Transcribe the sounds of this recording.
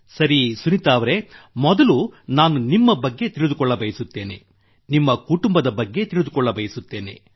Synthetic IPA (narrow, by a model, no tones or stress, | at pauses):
sɐɾisunit̪aːʋɐɾe̞mɔd̪ɐlunaːnunimːɐbɐɡːe̞t̪iɭid̪ukɔɭːɐbɐjɐsut̪ːe̞ːne̞̰ | nimːɐkuʈumbɐd̪ɐbɐɡːe̞t̪iɭud̪ukɔɭːɐbɐjɐsut̪ːe̞ːne̞̰